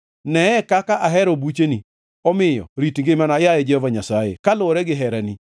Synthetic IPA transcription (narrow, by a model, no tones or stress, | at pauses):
nɛɛkakaʔaɦɛɾobut͡ʃeni | ɔmɪjɔ̰ɾitŋɡɪmanajajɛd͡ʒɪɔvaɲasajḛkalʊɾɛɡɪɦɛɾani